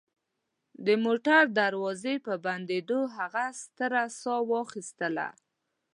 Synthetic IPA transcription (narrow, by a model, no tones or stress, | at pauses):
d̪əmoʈaɾd̪aɾwɑzepəband̪ed̪oɦaɣast̪əɾasɑwɑxist̪əla̰